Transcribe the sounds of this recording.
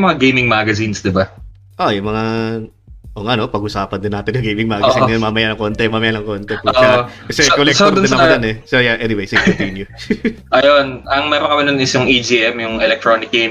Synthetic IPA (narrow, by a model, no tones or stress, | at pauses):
mɐŋaɡejmɪŋmaɡɐzinsd̪ɪba | ʔojʊŋmɐŋa | ʔoŋʔɐno̞pɐɡʊsaːpɐnd̪ɪnaːt̪ɪnjʊŋɡejmɪŋmaːɡɐsinnmamɐjanɐŋko̞ːnt̪ɛmaːmɐjanɐŋko̞ːnt̪ɛkuakɐsɛkolɛksoɾd̪ɪnːɐɐɡanɛsojaʔɛnɪwejsɐɪtɛtinjʊ | ʔɐjonʔɐŋmɛːɾonkɐmɪnʊnɪsʊŋʔid͡ʒiʔɛmjʊŋɛlɛk̚t̪ɾonɪk̚ɡem